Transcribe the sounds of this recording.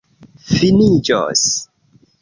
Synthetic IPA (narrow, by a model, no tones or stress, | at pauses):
finid͡ʒo̰s